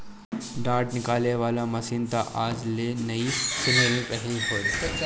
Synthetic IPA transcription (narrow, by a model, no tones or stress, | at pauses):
ɖaːʈnɪkaːleʋaːlamɐsiːnt̪aʔaːd͡ʒleːnɐisɪnelẽpɛɦɾiɦoː